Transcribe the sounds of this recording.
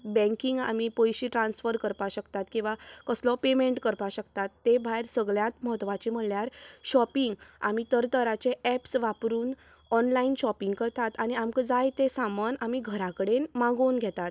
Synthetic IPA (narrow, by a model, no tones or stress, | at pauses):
bɛ̃ŋkiŋɡa̰mipojɕiːʈɾãnsfəɾkəɾpaɕəkt̪at̪kĩw̃ʋakəslɔpemeɳʈkəɾpaɕəkt̪at̪ːebʱajɾsəɡɭjãt̪məɦət̪ʋat͡ɕem̤əɽljaɾɕɔpiŋɡa̰m̤it̪əɾt̪əɾat͡ɕeɛpsʋapɾuːn | ɔnlainɕɔpiŋɡkəɾt̪at̪aɽ̃iamkəd͡zajt̪esamənamiɡʱəɾakəɽenmãɡoːnɡʱɛt̪at̪